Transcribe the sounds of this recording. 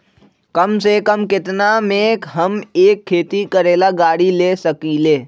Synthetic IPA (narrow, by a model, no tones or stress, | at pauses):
kəmsekəmkɪt̪namekɦəmeːkʰːeːt̪ikəɾeːlaɡaːɽileːsəkileː